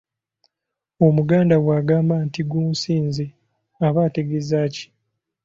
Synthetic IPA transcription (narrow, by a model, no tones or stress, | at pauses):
o̞muɡaːndawaːɡaːmbantiɡuːsiːnze | aβaːte̞ɡezaːci̥